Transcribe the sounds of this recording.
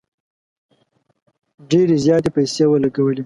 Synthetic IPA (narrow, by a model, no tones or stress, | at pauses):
ɖeɾezjɑt̪epajseːwəlaɡawəle